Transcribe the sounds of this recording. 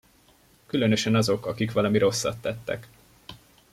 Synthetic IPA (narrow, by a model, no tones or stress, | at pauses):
kylønøʃɛnɒzo̞kɒkikʋɒlɒmiɾʔo̞sːɒ̰t̪ːɛt̪ːɛ̰k